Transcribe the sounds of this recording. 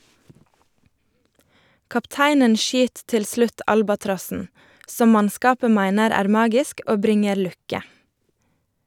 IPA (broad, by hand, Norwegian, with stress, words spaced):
kɑpˈtæɪnən ˈʃyːt ˈtɪl ˈslʉt ˈɑlbɑtɾɔsn̩ ˈsɔm ˈmɑnˌskɑːpə ˈmæɪnəɾ ˈæːɾ ˈmɑːɡɪsk ˈoː ˈbɾɪŋəɾ ˈlʉkə